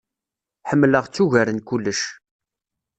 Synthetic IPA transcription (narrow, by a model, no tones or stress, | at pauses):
ħəmːləʁt͡sːuʝæɾənkulːəʃ